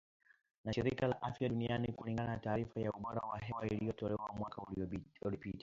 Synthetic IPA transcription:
naʃiɾikalaʔafjaɗunianikuliŋɡanataːɾifajauɓɔɾa̰waɦɛwailijɔtɔlɛwamwakauliɔɔlipita

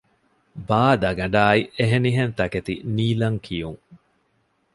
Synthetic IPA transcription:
baːd̪ɐɡɐɳɖaːieɦeniɦent̪ɐket̪ḭniːlɐŋkʰijuŋ

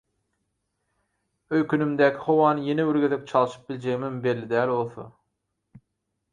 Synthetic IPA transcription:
øjkʲʰynymd̪ækʲʰihowɑːnɨjeneyɾɡʲeðek̚ʲt͡ʃʰɑlˠɯʃɯ̥p̚bilʲd͡ʒeɡmimbelːid̪æːlolˠθo̰

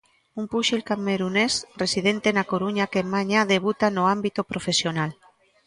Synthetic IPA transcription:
umpuʃilkameɾunesresiðent̪enakoɾuɲakemaɲaðeβ̞ut̪anoambit̪opɾofesjonal

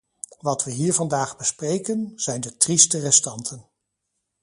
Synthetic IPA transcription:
ʋɑtʋəɦiːɹvɑndaːχbəsprejkənz̥ɛjndətristərɛstɑntʰən

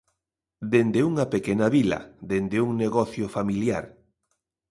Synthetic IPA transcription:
d̪end̪euŋɐpekenɐβilɐ̰d̪end̪euŋneɣɔθjofamiljaɾ

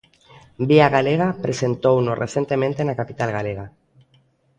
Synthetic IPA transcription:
biaɣaleɣ̞apɾese̞nt̪ownorʔeθje̞nt̪e̞ment̪enakapit̪alɣaleɣa

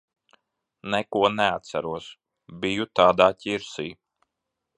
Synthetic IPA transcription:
nɛkuɔnɛat̪t̪sæɾuɔs | bijut̪aːd̪aːcʲiɾsiː

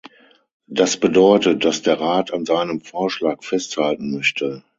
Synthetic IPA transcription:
d̥asb̥ədɔʏtət̚d̥asd̥eːɐʁaːtanzaɪnəmfoːɐʃlaːkfɛsthaltn̩mœçtʰə

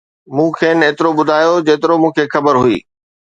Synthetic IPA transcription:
mũːkʰeːneːt̪ɪɾoɓʊd̪ʱaːjod͡ʑeːt̪ɪɾomũːkʰeːxɐbəɾɦʊḭː

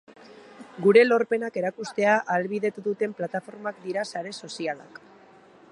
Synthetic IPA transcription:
ɡuɾe̞lo̞ɾpe̞nake̞ɾakust̪e̞aʔalβiðe̞t̪uðut̪e̞mplat̪afo̞ɾmakd̪iɾasaɾe̞so̞siala̰k

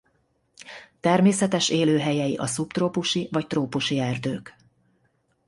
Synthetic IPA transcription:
t̪ɛrmeːsɛt̪ɛʃeːløːɦɛjɛjiʔɒsupt̪roːpuʃivɒct̪roːpuʃiɛrd̪øːk

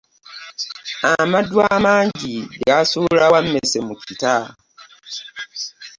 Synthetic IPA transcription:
amadwaːmaːɲɟiɡasulawamːesemucita

